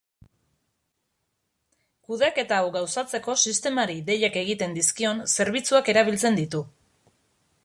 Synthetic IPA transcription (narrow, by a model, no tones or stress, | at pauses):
kuð̞eake̞t̪awɡawsat͡se̞ko̞sist̪e̞maɾiðe̞ʎake̞ɣ̞it̪e̞nd̪iskio̞nse̞ɾβit͡suake̞ɾaβ̞ilt͡se̞nd̪it̪u